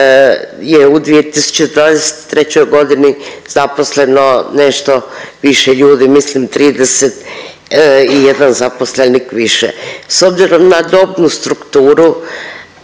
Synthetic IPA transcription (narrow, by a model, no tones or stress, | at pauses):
jeud̪ʋijet̪isu̥t͡ɕed̪vaːd̪ese̥t̪t̪ːɾe̞t͡ɕojɡo̞d̪ini | z̥apo̞sle̞noneʃt̪o̞ | ʋiʃeʎuːd̪imislimt̪ɾiːd̪eset̪ | ijed̪anzaposlenikʋiʃḛso̞bziɾo̞mnad̪o̞bnust̪ɾukt̪uːɾu